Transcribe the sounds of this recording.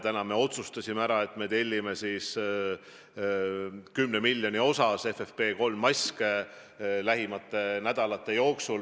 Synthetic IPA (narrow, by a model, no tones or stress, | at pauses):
t̪ænɑme̞o̞t̪sust̪ɑsʲimeæɾɑe̞t̪ːˑme̞t̪e̞lʲːime̞sis | kymne̞milʲːjo̞nio̞sɑse̞fefpe̞ːko̞lmːɑsʲke | læɦimɑt̪ˑːe̞næd̪̥ɑlɑt̪ːˑe̞jo̞ːksul